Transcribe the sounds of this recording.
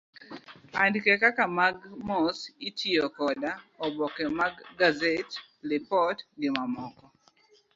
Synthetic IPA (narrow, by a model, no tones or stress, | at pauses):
andkɛkakamaɡmɔsitʰiɔkɔdaɔbɔkɛmaɡːazet | lɪpɔtɡɪmamɔkɔ